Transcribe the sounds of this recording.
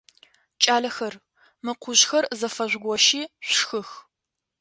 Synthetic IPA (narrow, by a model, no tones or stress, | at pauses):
t͡ʃʼaːɮɐxɐr | mɨqʷʰʊʒxɐrzɐfɐʑʷɡʷɔʃiːɕʷxɨx